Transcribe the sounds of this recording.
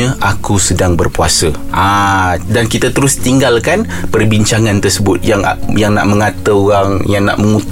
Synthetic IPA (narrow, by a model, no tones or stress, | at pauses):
ə̃ʔakusədaŋbərpua̰səʔadankit̪at̪əɾʊst̪iŋɡalkan | pərbiɲt͡ʃaŋant̪ərsəbʊt̪̚jaŋ̰jaŋna̰ʔmə̃ŋat̪əoɣaŋjaŋna̰ʔməŋut̪